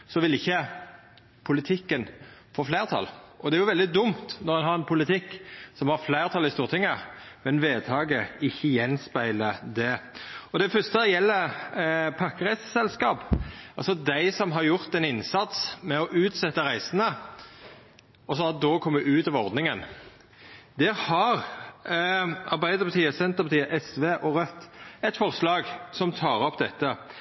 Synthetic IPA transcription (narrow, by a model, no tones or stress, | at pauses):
sɔʋɪlɪçːə | pʰʊlɪt̪ʰɪkːənfoːflæɪʁt̪ʰɑ̰lʔɔd̪ɛæɾjʊʋɛld̪ɪd̪ʊmt̪nɔʁɛnhɑʁɛnpʰʊlɪt̪ʰɪkːsɔmhɑʁflæɪʁt̪ʰɑlːɪst̪uːʁt̪ʰɪŋːəmɛnʋeːt̪ʰɑːɡəɪçːəjɛnspæɪləd̪ɛɔd̪ɛfʏst̪əjɛlːə | pʰɑkːəʁæɪssɛlskɑːpɑlsɔd̪æɪsɔmɦɑɾjʊʁt̪ɛnɪnsɑt̪smɛɔʔʉːt̪sɛt̪ːəʁæɪsənə | ɔsɔɑt̪̚d̪okʰɔmːəʔʉːt̪ɑʋɔɾd̪nɪŋən | d̪ɛhɑɾ | ɑʁbæɪd̪əɾpɑt̪ʰiːəsɛnt̪əʁpɑt̪iːəʔɛsʋeːʔɔɾœt̪ːɛt̪fɔʁslɑːɡsɔmt̪ʰɑːɾɔpːd̪ɛt̪ːə